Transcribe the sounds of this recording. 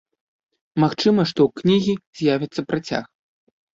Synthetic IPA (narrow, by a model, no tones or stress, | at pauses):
maxt͡ʂɨmɐʂt̪ɔwknʲiɣʲiz̥ʲjavʲɐt̪sːɐpɾat͡sʲa̰x